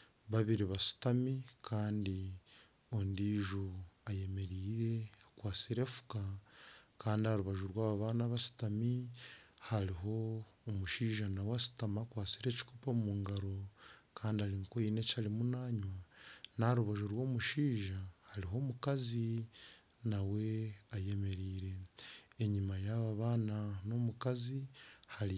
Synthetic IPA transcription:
βaβiɾiβasi̥tamikʰaːndi | ondiːʒuaje̞me̞ɾiːɾe̞akwaːt͡siɾe̞fu̥ka | kaːndiaɾuβaʒuɾwaːβaβaːnaβasi̥tami | haɾiɦo̞ːmuʃiːʒanawasi̥tamakwaːt͡siɾe̞ːci̥kopomumuːŋɡaɾo̞kʰaːndiaɾiŋkoine̞calimunaɲwanaɾuβaʒuɾwo̞ːmuʃiːʒahaɾiɦo̞ːmukazi | nawe̞aje̞me̞ɾiːɾe̞ː | ɲimajaβaβaːnano̞mukazihaɾi

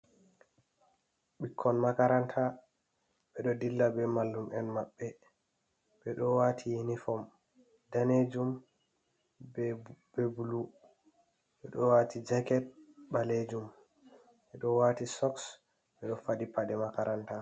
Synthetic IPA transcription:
ɓikʰːɔnmakaɾantʰa | ɓɛɗɔdilːabɛmalːumʔɛnmaɓːɛ | ɓɛɗɔwatʰiinifɔm | daned͡ʒum | bebulu | ɓɛɗɔwatid͡ʒɛkɛt̚baled͡ʒum | ɓɛɗɔwatisɔks | ɓɛɗɔfadipaɗɛmakaɾʔanta

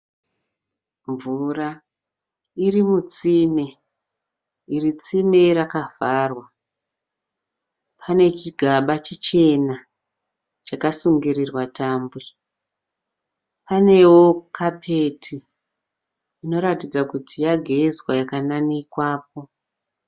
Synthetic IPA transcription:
ɱvura | irimut͡sime | irit͡simeɾakav̥aːrwa | pʰane̞t͡ʃiɡʱaɓat͡ʃit͡ʃe̞na | t͡ʃakasuŋɡirirwatʰaːmbu | pane̞wo̞kʰapʰe̞tʰi | no̞ɾatid͡zakutʰijaɡʱezwajakananikwaːp̚o̞

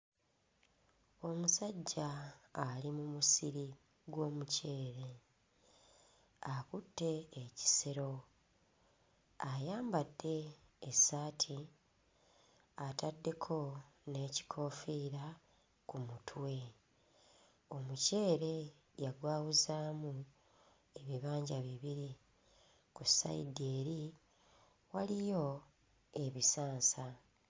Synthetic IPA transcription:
o̞musaɟːaː | limumusiɾi | ɡwo̞ːmuce̞ːɾe̞ | akutːe̞ːci̥seɾo̞ | ajaːmbadːe̞ːsaːtʰi | atadːe̞kʰo̞ne̞ːci̥kʰo̞ːfiɾa | kumutʰwe̞ | o̞muce̞ːɾe̞ | jaɡwaːwuzaːmu | e̞βiβaːɲɟaβiβiɾi | kusa̰ḭdeːɾi | walijo̞ | e̞βisaːnsa

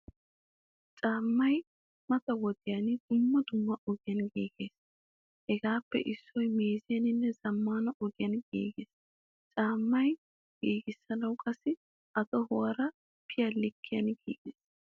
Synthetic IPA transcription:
t͡ʃʼaːmːɐj | mɐt̪ɐwɔd̪ɪjand̪̥ʊmːɐd̪ʊmːɐɔɡɪjɐnɡiːɡeːs | hɛɡaːpːɛ̰ʔɪsːɔjmeːzɪjɐnɪnːɛzɐmːaːnɐʔɔɡɪjɐnɡḭːɡeːs | t͡ʃʼaːmːɐj | ɡ̥iːɡɪsːɐnɐwkʼɐsːɪ | ɐt̪ɔhɔwɐɾɐ | pʰɪjɐlɪkʰːɪjɐnɡḭːɡ̥eːs

